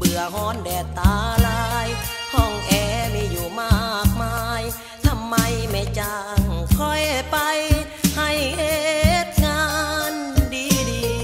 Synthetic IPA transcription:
bɯ˨˩ɐhɔː˧˥ndɛː˨˧˩t̪aː˨˦laː˧j | t̪ʰɔː˧˩ŋʔɛː˧˩miː˧˩juː˧˩maː˧˩k̚maː˧j | t̪ʰa˧mːa˧jma˧˩jt͡ɕa˧˩ŋkʰɔ˧˩jpa˧j | ha˧˩jhe˧t̪̚ŋaː˧n | diː˧˥diː˧

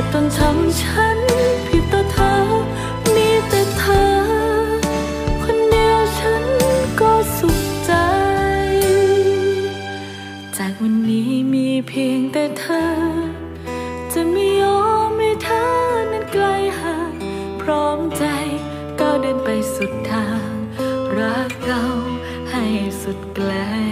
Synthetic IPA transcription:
t̪ɔ˧ntʰa˧˥mt͡ɕʰa˧˥npʰi˨˧˩t̪ːɔː˧˩t̪ʰɤː˧ | miː˧˥t̪ɛː˨˩t̪ʰəː˧ | kʰo˧nːi˧˥ə˧t͡ɕʰa˧˥nkɔː˧˩su˨˩k̚t͡ɕa˧j | t͡ɕaː˨˩k̚wa˧nːiː˨˦˥miː˧pʰeː˧ŋt̪ɛː˧˩t̪ʰɤː˧ | t͡ɕa˧˩miː˧ʔɔː˧˥ma˧t̪ʰaː˧˥na˧˥nkla˧jha˧˩ | pʰɾɔː˦˥mt͡ɕa˧j | k̪ɔː˧˩dɤː˧npa˨˧jsu˨˩t̪ʰːaː˧˥ŋbɾa˧˥kːa˧w | ha˧˩jsu˨˩t̪̚klɛː˧˥

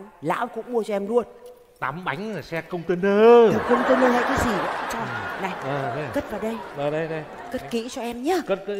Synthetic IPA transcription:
la̰ː˧˥wkʊ̰˧˥ŋ͡mmu˧ət͡ɕɔ˧ʔɛ˧mlu˧ən | t̪a˨˦mɓa˨˦jŋ̟laː˨˩sɛ˧kə˧wŋ͡mt̪ə˧nɗəː˧zu˨˩kə˧wŋ͡mt̪ə˧nə˧la̰˧˨jkaː˨˦jzi˨˩və̰˧˨˧t͡ɕɔ˧na˨˩jəː˨˩˧kə˦˥t̚vaː˨˩ɗə˧jəː˨˩ɗə˧jɗə˧j | kə˦˥ki˧˥t͡ɕɔ˧ʔɛ˧mɲaː˧˦kə˦˥t̚k

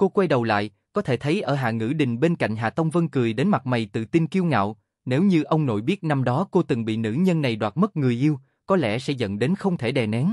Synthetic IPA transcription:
ko˧kwɛ˧jɗə˨˩wla̰ː˧˨j | kɔ˨˦t̪ʰe˧˩t̪ʰə˨˦jʔəː˧˩ɦa̰ː˧˨ŋɨ̰˧˥ɗï˨˩ŋ̟ɓe˧nka̰˧˨jŋɦaː˨˩t̪ə˧wŋ͡mvə˧ŋkɨ˨˩əjɗe˨˦nma˨˩t̚ma˨˩jt̪ɨ̰˧˨t̪i˧nki˧wŋa̰ː˧˨w | ne˨˦wɲɨ˧ʔə˧wŋ͡mno̰˧˨jɓi˦˥ət̚na˧mɗɔ˨˦ko˧t̪ɨ˨˩ŋɓḭ˧˨nɨ̰˧˥ɲə˧nːa˨˩jɗwaː˨˩t̚mə˦˥t̚ŋɨ˨˩əjʔi˧əw | kɔ˨˦lɛ̰˧˥sɛ̰˧˥zə̰˧˨nɗe˨˦nxə˧wŋ͡mt̪ʰe˧˩ɗɛ˨˩nɛ˨˦n

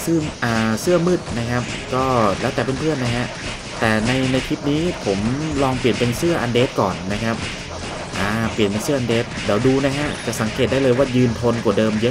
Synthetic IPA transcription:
sɯ˥˩ʔaː˨˩sɯ˥˩ɐmɯː˥˩t̪̚na˦˥kʰa˦˥p̚kɔː˥˩lɛː˦˥t̪ɛː˨˩pe˧npʰɯ˥˩ənːa˦˥kʰa˦˥ʔ | t̪ɛː˨˩na˧jna˧jkʰi˦˥p̚niː˦˥pʰo˩˦mlɔː˧ŋpli˨˩ənpe˧nsɯ˥˩ɐʔa˧ndeː˦˥t̪̚kɔ̰ː˨˩nːa˦˥kʰa˦˥p̚ | ʔaː˧˩pi˨˩ənpe˧nsɯ˥˩əʔa˧ndeː˦˥t̪̚di˨˩wduː˧na˦˥kʰa˦˥ʔt͡ɕa˨˩ʔsa˩˦ŋkʰe˨˩t̪̚da˥˩jlɤː˧jwaː˥˩jɯː˧nt̪ʰo˧nkwa˨˩dɤː˧mjɤ˦˥

